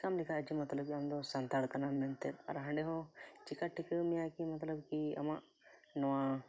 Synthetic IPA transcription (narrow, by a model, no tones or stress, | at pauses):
kamlikʰaɐd͡ʒimɐt̪ləbkiɐmd̪ɔsɐnt̪aɽkɐnamɛnt̪elɐ̰ɾɦɐ̃ɳɖeɦɔ̃t͡ʃikaʈːikemijakimɐt̪ləbkiɐ̰maʔ | nɔwã